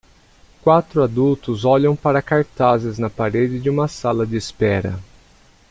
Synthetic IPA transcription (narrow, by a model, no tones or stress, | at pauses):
kwat̪ɾʊad̪ut̪ʊzɔʎɐ̃w̃paɾɐkaɾt̪azɪznɐpaɾed͡ʒɪd͡ʒɪũmɐsalɐd͡ʒɪspɛɾɐ̰